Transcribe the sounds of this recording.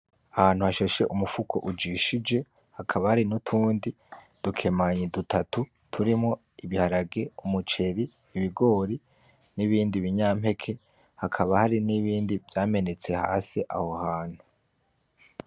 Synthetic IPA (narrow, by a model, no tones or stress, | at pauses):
ahaːn̥huhaʃoʃe̞ʔumufukʰo̞̰ʔud͡ʒiʃid͡ʒe̞ | hakʰaβahaɾinutʰuːndi | d̥ukʰe̞maɲedutʰatu | tʰuɾimŋo̞ | iβihaɾaɡe̞umut͡ʃe̞ɾiː | βiɡo̞ːɾi | niβiːndiβiɲaːm̥he̞kʰe̞ | hakʰaβahaɾiniβiːndivjaːme̞ne̞t͡se̞ha̰ːsiʔa̰ho̞haːn̥hu